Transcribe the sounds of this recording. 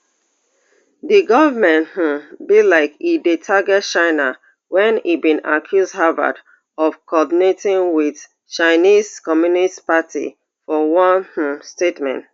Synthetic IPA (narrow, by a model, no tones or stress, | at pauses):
diɡɔvamɛ̃nth̩bilaɪkidetʰaɡɛt̚t͡ʃãɪna | wɛ̃nibĩna̰kʰjuzdhava̰d | ɔv̥kʰɔdinetĩŋwiθ | t͡ʃaɪniz̥kɔmjunistpatʰḭ | fɔwɔ̃nh̩stetmɛ̰̃nt